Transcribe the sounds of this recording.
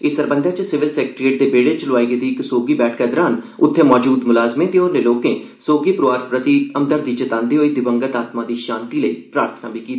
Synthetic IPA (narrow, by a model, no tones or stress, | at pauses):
ɪsəɾbə̃nd̪ʱaːt͡ʃəsɪʋɪlsɛːkʈɾieːʈ̚d̪eːbeːɽet͡ʃəlʊʋaːiɡed̪iɪksoːɡiːbɛːʈʰkɛːd̪əɾaːnʊt̪ʰːẽːmɔːd͡ʒuːd̪mʊlaːzmẽːt̪eoːɾneloːkẽː | soːɡiːpɾʋaːɾpɾət̪iəmd̪əɾd̪iːt͡ʃət̪ãːnd̪eːɦoːiːd̪ɪbəŋɡət̪aːt̪mãːd̪iːʃãːnt̪iːləiːpɾaːɾt̪ʰənaːbʱiːkiːt̪a